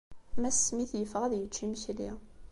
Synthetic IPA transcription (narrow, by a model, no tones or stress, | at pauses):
mæsmiθjəfʁæðjət͡ʃːimçlḭ